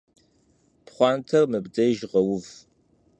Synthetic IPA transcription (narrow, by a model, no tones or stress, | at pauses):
pχʷɑːntʰɐrmɨbd͡zʼɐjʒʁɐwʊv